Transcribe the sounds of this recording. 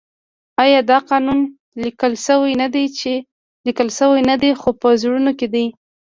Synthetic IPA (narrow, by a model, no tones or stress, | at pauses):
ɑjɑd̪ɑqɑnun | likəlʃəwajnad̪ejt͡ʃe | likəlʃəwajnad̪exopəzɽunoked̪aj